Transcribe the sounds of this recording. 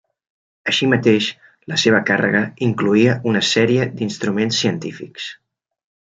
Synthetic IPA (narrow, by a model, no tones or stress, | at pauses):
əʃimət̪eʃ | ləseβ̞əkarə̰ɣəiŋkluiəʔunəsɛɾiəd̪inst̪ɾumensːiənt̪ifḭks